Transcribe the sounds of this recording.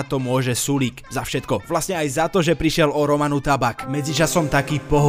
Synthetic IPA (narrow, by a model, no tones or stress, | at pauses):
t̪ɔmʊɔʒɛsulikzafʃɛt̪kɔʋlasɲɛajzat̪ɔʒɛpɾiʃɪɛlɔɾɔmanut̪abakmɛd͡zit͡ʃasɔmt̪akiːpɔɦ